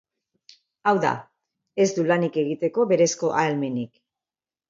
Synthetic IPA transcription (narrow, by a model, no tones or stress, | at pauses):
awða̰ | e̞zd̪ulanike̞ɣ̞it̪e̞ko̞βe̞ɾe̞sko̞ʔalme̞nik